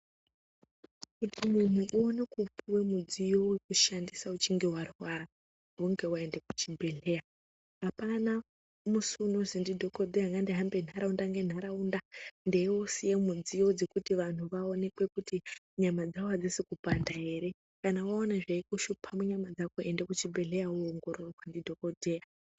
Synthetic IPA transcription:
kutʰimun̤uʔuonekupʰuwe̞mud͡zijo̞wekuʃandisaut͡ʃiŋɡewarwaɾa | ɦuŋɡe̞waendek̚u̥t͡ʃibʱe̞ɮe̞a | ɦapana | musuno̞zindidʱo̞ko̞d̪eɦaŋɡandiɦambe̞n̤aɾaundaŋɡe̞n̤aɾaundandewosijemud͡zijo̞d͡ze̞kutiʋan̤uʋaone̞kwe̞kuti | ɲamad͡zaoad͡zisikupandaɦe̞ːɾe̞ | kanawaonaʐaikuʃupʰamuɲamad͡zakoendekut͡ʃibʱe̞ɮe̞jauoŋɡo̞ɾo̞rowandidʱo̞kodʱe̞ja

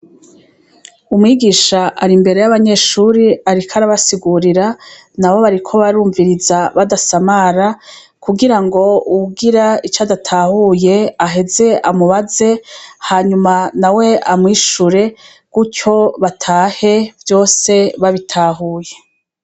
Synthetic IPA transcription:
umŋiːɡiːʃaʔaɾimbe̞ɾe̞jaβaɲe̞ːʃuːɾiaɾikʰaɾaβasiɡuɾiɾa | nawo̞βaɾikʰo̞βaɾuːɱviɾizaβadasamaɾa | kuɡiɾaŋɡo̞uɡiɾait͡ʃadatʰaːhuje̞aɦe̞ze̞ʔamuβaze̞haːɲumanawe̞ʔamŋiʃuɾe̞ | kuco̞βatʰaːhe̞vjo̞ːse̞βaβitʰaːɦuːje̞

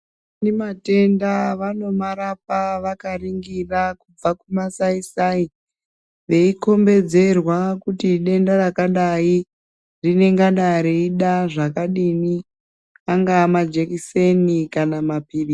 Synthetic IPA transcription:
nimate̞ndaʋano̞maɾap̚aʋakariŋɡirakub͡vakumasaisai | ʋe̞iko̞mbe̞d͡ze̞rwakutiɗe̞ndarakaɗai | rine̞ŋɡaɗaɾeiɗaʐakaɗini | aŋɡaːmad͡ʒekise̞nikanamapiːɗi

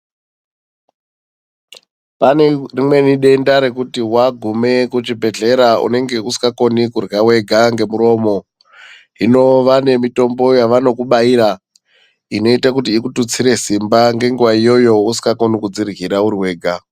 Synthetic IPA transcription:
panerimwe̞niɗe̞ndaɾe̞kutiwaɡʱume̞kut͡ʃibʱe̞ɮe̞ɾaṵne̞ŋɡe̞usi̥kako̞nikurɣawe̞ɡʱaŋɡe̞muɾo̞ːmo̞ | ɦino̞ʋane̞mito̞mbo̞jaʋano̞kuɓaiɾa | ino̞itakutiːkutut͡siɾe̞simbaŋɡe̞ŋɡuʋaijo̞jo̞usi̥kako̞nikud͡zirɣiɾauɾiwe̞ːɡʱa

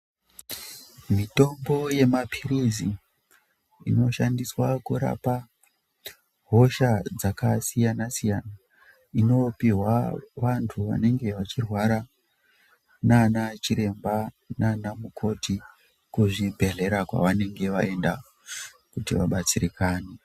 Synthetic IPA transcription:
mito̞mbo̞je̞mapʰiɾizi | ḭno̞ʃandiswakuɾa̰pa | ɦo̞ʃad͡zakasijanasijana | ino̞piɦwaʋantʰuʋa̰ne̞ŋɡe̞ʋat͡ʃirwaɾa | nanat͡ʃiɾe̞mba | nanamukʰo̞ti | kuʐibʱe̞ɮe̞ɾakwa̰ʋane̞ŋɡe̞ʋa̰e̞nda | kutiʋaɓat͡sirikaːne

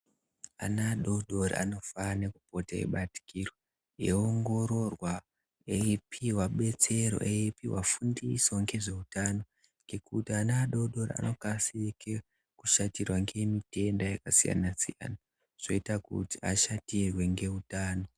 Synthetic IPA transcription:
a̰naːɗo̞ɗo̞ɾḭa̰no̞fane̞kupo̞taḛɓati̥kiro | ḛoŋɡo̞ɾo̞rwa | epʰiwaɓe̞t͡se̞ɾo̞̰ʔeipiwafundiso̞ŋɡe̞ʐe̞utano̞ | ŋɡe̞kutianaːɗo̞ɗo̞ɾḭa̰no̞kasiike | kuʃatirwaŋɡe̞mite̞ndajakasija̰nasija̰na | ʐ̥o̞itakṵtiaʃatirwe̞ŋɡe̞utaːno̞

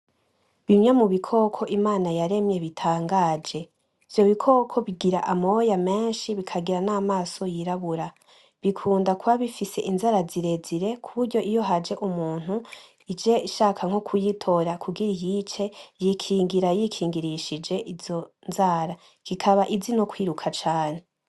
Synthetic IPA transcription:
βimɲamuβikʰo̞kʰo̞ʔimaːnajaɾe̞mɲe̞βitʰaːŋɡaːd͡ʒe̞ | iv̥jo̞βikʰo̞ːkʰo̞βiɡiɾaʔamo̞jame̞ːnʃiβikʰaɡiɾanaːmaːso̞jiɾaβuɾa | βikʰuːndakuβaβifise̞ʔinzaɾaziɾe̞ziɾe̞kʰuβuɾɟo̞ʔijo̞ɦad͡ʒe̞ʔumuːn̥hu | id͡ʒe̞ʃaːkʰaŋ̥hokʰujitʰo̞ɾakuɡiɾijit͡ʃe̞jikʰiːŋɡiɾajikʰiːŋɡiɾiʃid͡ʒe̞ʔizo̞ | nzaːɾa | ɡ̥ikʰaβaʔizinokwiːɾukʰat͡ʃaːne̞

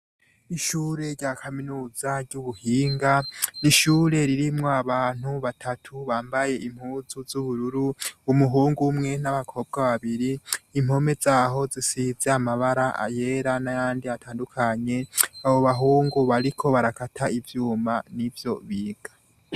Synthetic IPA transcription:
iʃuːɾe̞ɾɟakʰaminuːz̥aɾɟuβuhiːŋɡaniʃuːɾe̞ɾiɾimŋoaβaːn̥huβatʰatʰuβaːmbaje̞ʔim̥huːzuzuβuɾuɾuːmuɦuːŋɡumŋe̞naβakʰo̞ːb̚ɡaβaβiɾiːm̥ho̞me̞zaːɦo̞zisizeamaβaɾaʔa̰je̞ːɾanajaːndiatʰaːndukʰaɲe̞aβo̞βaɦuːŋɡuβaɾikʰo̞βaɾakatʰaivjuːmanivjo̞βiːɡ̥ḁ

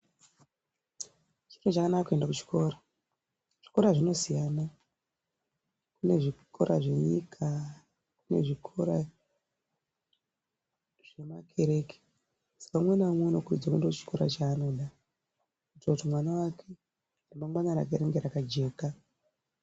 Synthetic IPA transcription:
t͡ʃi̥tot͡ʃakanakakue̞ndakut͡ʃi̥ko̞ɾa | ʐ̥i̥ko̞ɾaʐino̞sijana | kune̞ʐikʰo̞ɾʔa̰ʐe̞ɲikʰa | k̚une̞̰ʐikʰo̞ɾa | ʐ̥e̞makʰe̞ɾe̞kʰe̥ | sḁkamwenaomwonokurḭd͡zakuendakut͡ʃi̥ko̞ɾa̰t͡ʃaːno̞ɗa | kutoutimwanawakʰe | rimaŋɡaɲaɾa̰k̬eɾeŋɡeɾakad͡ʒe̞ːka

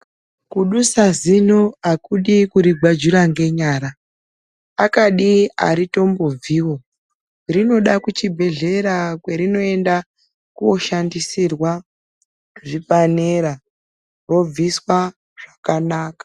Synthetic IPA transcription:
kuɗusazinoakuɗikuɾiɡʱad͡ʒuɾaŋɡe̞ɲaːɾaː | kaɗia̰ɾito̞mbo̞b͡viːwo̞ | rino̞ɗakut͡ʃibʱe̞ɮe̞ɾakwe̞ɾino̞e̞nda | kuoʃandisirwa | ʐipaneɾa | ro̞b͡viswa | ʐ̥akanaːkḁ

